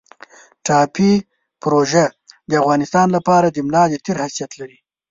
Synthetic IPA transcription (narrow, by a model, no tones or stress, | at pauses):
ʈɑpi | pɾoʒad̪əavɣɑnɪst̪ɑnlapɑɾad̪əmlɑd̪ət̪eɾhasijat̪laɾi